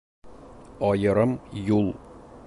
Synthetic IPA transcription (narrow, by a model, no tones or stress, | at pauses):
ɒjɤ̆ɾɤmjulˠ